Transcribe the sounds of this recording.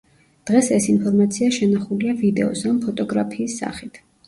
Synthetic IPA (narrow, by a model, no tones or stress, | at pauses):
d̪̥ʁɛsɛsinpʰɔɾmat̪sʰiaʃɛnaχuliavid̪ɛɔsampʰɔt̪ʼɔɡɾapʰiːsːa̰χit̪ʰ